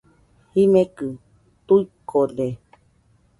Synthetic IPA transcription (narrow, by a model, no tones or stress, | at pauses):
himẽkɨ | t̪uikʰole